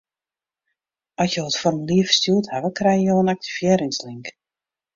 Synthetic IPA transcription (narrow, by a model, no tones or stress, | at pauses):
ʔɔsjoətfɔrəmliəfə̥stuəthaʋəkrɛjəjoːənak̚tʰivjɛːɾɪŋsliŋk